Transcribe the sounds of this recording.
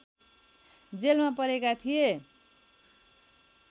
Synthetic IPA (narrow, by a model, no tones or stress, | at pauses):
d͡zelmapʌɾekat̪ʰije